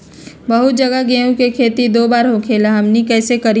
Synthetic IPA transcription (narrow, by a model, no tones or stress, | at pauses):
bɐɦʊt̪̚d͡ʒɐɡaɡeːũkekʰeːt̪id̪oːbaːɾɦõkʰeːlaɦɐmnikɛːsekɐɾi